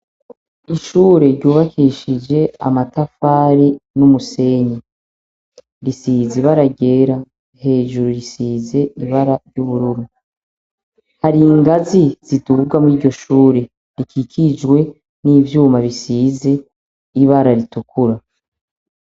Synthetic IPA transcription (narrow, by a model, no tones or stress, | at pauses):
iʃuːɾe̞ɾɟuːβakʰiʃid͡ʒe̞a̰matafaːɾinumuse̞ɲi | ɾisiziβaɾaɟeːɾa | he̞ːʒuɾuɾisiːze̞iβaɾaɾjuβuɾuɾu | haɾiŋɡaziz̥itubɡwamuiːɾɟo̞ʃuːɾe̞ | ɾikʰikʰid͡ʒɡwe̞ | niːvjuːmaβisiːze̞ | iβaɾaɾitukuɾa